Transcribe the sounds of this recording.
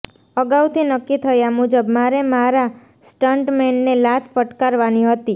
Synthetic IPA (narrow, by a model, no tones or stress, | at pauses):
əɡawt̪ʰinəkːit̪ʰəjamud͡ʒəbmaɾemaɾa | sʈaɳʈmenːelat̪ʰfəʈkaɾʋaniɦət̪i